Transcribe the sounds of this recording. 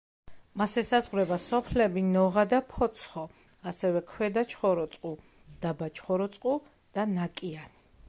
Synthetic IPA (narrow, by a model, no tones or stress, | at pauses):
masɛsazʁwɾɛbasɔpʰlɛbinɔʁad̪apʰɔt̪sʰχɔ | asɛvɛkʰwɛd̪at͡ʃʰχɔɾɔt̪sʼqʼu | d̪̥abat͡ʃʰχɔɾɔt̪sʼqʼu | d̪̥anakʼiani